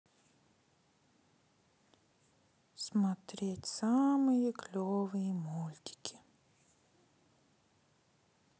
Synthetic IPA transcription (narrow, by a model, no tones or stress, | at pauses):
smɐt̪ɾʲetʲsamɨjəklʲovɨjəmulʲt̪ʲɪ̥kʲɪ̥